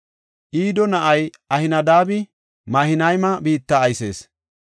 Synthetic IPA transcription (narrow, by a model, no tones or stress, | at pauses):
ʔiːd̪ɔnɐʔɐj | ɐhɪnɐd̪aːbɪ | mɐhɪnɐjmɐbiːt̪ːaːjse̞̰ːs